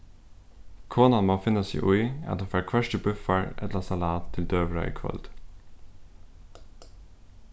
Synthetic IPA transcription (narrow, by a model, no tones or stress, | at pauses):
kʰoːnɑnmoːfɪnəsḭːʔʊʏɛ̰t̪əfæɾkʰʋœʃʈəbʉfəɹɛ̰t̪lɑsɑlɑːt̪ʰːɪld̪øːʋɾɑ̰ʏ̰kʰʋœ̰ld̪̥